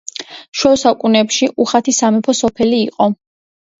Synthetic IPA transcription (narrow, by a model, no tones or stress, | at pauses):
ʃwɛsakʼunɛpʃiʔuχat̪ʰisamɛpʰɔsɔpʰɛliːqʼɔ